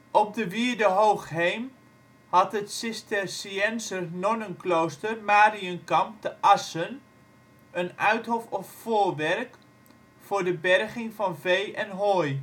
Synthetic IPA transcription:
ʔɔp̚dəʋiəɹdəɦowxɦejm | hɑtətsɪstərsiɛnsərnɔnənklowstərmaːriənkɑmp̚təʔɑsən | ənœɥthɔfɔffoːrʋɛrk | fʊːɹdəbɛrχɪŋfɑnvejʔɛnɦoːj

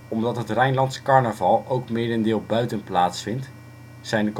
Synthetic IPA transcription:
ɔmdɑtɦətrɛjnlɑntsə̥kɑɹnəvɑlˠowkmeːdəndɪːlˠbœɥtənplaːtsfɪnt | sɛjndək

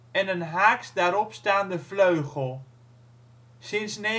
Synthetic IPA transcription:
ɛnənɦaːksdaːɾɔpstaːndəvløɥχəlˠ | sɪnsne

